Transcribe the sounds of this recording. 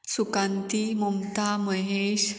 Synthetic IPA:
sukant̪imumt̪aməɦeɕ

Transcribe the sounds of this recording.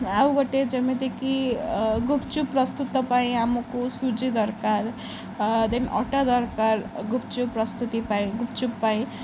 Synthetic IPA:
awɡʌʈed͡zʌmed̪ekʰiɡupʰt͡suprʌst̪ut̪ːʌpaĩamukosud͡zid̪ʌrkar | d̪enʔʌ̰ʈad̪ʌɾkarɡupt͡suprʌst̪ut̪ipaĩɡupt͡subːaĩ

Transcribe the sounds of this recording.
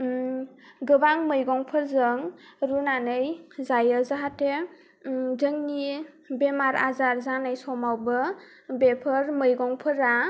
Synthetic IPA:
ɡɯbaŋmɯjɡɔŋpʰɯɾzɯŋɾunanɯjzajəzaɦate | zɯŋni | bemaɾa̰zaɾzanajsɔmawbɯ | bepʰɯɾmɯjɡɔŋpʰɯɾa

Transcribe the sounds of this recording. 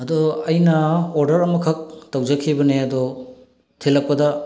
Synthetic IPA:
ɐdɔɐjnɐoɾdɐɾɐmɐkʰɐk̚tɐwzɐkʰibɐneɐdɔ | tʰelɐk̚pɐdɐ

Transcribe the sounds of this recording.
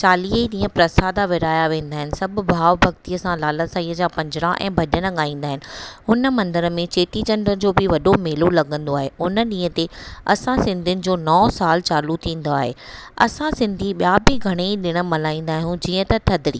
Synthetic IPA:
t͡ɕaːliːəiɗĩːɦə̃pɾɐsaːd̪aʋɪɾaːjaʋẽːn̆d̪aːɦɪnɪ̆sɐbʱʊ̆bʱaːʋbʱɐɡt̪iːəsãlaːləsaːiːəd͡ʑaːpɐ̃ɲd͡ʑɪɽãʔɛ̰̃ːbʱɐɗəɽ̃ə̆ɠaːĩːnd̪aːɦɪnɪ̆ɦʊnə̆mɐ̃nd̪əɾəmẽt͡ɕeːʈit͡ɕɐ̃nɖɾəd͡ʑoːbɪʋɐɗomeːlolɐɡə̃nd̪oaːɦeʊnəɗĩːɦə̃t̪eɐsãsɪ̃nd̪ʱijʊnɪ̆d͡ʑoːnɔːsaːlt͡ɕaːlut̪ʰĩːn̆d̪oaːɦḛɐ̰sãsɪ̃nd̪ʱiɓjaːbɪɡʱɐɽ̃eiɗɪɽ̃ə̆mɐlaːĩːnd̪aːɦijũd͡ʑiːə̃t̪ɐt̪ʰɐd̪ɾḭː

